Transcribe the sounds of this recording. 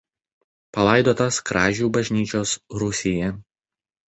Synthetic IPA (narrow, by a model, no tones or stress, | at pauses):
pɐlˠɐˑɪd̪oːt̪ɐskɾɑːʒʲuːbɐʒʲnʲiːt͡ʃʲoːsɾʊsʲɪjɛ